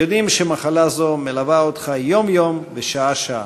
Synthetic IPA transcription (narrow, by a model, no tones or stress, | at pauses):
jod̪imʃemaχalazo̞melavaot̪χajomjo̞mveʃaaʃaa̰